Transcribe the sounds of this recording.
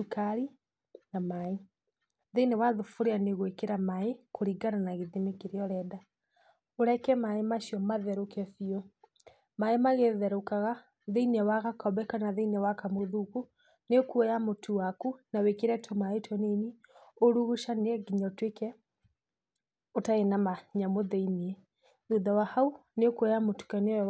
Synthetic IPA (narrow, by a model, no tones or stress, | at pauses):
ukaɾi | namae | ðeinɛwaðofoɾeaneɣwekeɾamaekʰoɾiɡananaɣeðimekeɾeɔɾɛda | oɾɛkɛmaemaʃjɔmaðɛɾokɛfiɔ | maemaɣeðɛɾokaɣa | ðeiniɛwaɣakɔbɛkanaðeinɛwakamoðuku | nekuɛjamotʰuwakunawekeɾɛtʰɔmaetʰwɔnenioɾuɣuʃaneɛɡiɲɔtwekɛ | otaenamaɲamoðeiniɛ | ðuðawahauneokuɛjamotu̥kaneɔ